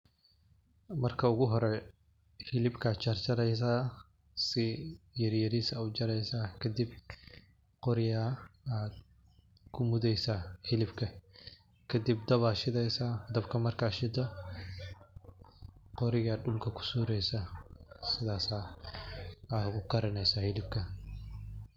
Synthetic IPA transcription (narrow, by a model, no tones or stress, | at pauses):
mɐrkʰɐʊɣʊɦɔɾɛ | hɪlɪbkʰaːt͡ʃɐrt͡ʃɐɾɛjs̬aː | sɪjɐɾjɐɾiːsɐut͡ʃɐɾɛjsaːkʰɐd̪ib̚ | qɔɾɪjaːaːd̪ | kʰʊmʊðɛjsaːhɪlɪbkʰɐ | kʰɐd̪ɪb̚d̪ɐβaːʃɪd̪ɛjsaːd̪ɐbkʰɐmɐrkaːʃɪd̪ɔ | qɔɾɪɣadɗʊlkʰɐkʰʊ̥suːɾɛjsaːsɪðaːsaː | aːɡʊqɐɾɐnɛjsɐhɪlɪbkʰɐ